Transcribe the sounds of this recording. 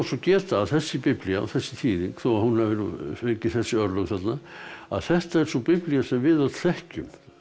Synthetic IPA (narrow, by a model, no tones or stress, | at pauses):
asɔcɛːt̪aːθɛsːɪpɪplijaa̰θɛsːɪ̥t̪ʰiːðiŋkθowahunːavɪneŋcɪθɛsːɪœɾlœɣθat̪naa̰ðθɛht̪aɛɾ̥supɪplijasɛmvɪðawt̪ʰlɛhcʏm